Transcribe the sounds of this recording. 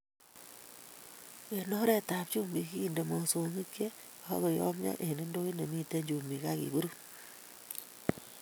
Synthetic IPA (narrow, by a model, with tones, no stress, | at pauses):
e˨nɔ˦ɾɛ˦ta˨p̚t͡ʃu˦mbi˨kiː˦˨nde˨mɔ˨so˨ŋi˦kjḛ˦˨˦ | kɔ˨jɔ̰˦mɲɔ̰˦ʔe˨ne˦ndo˦i˦ne˨mi˦te˦ɲd͡ʒu˨mi˨ka˦kḭ˨bu˦ɾu˦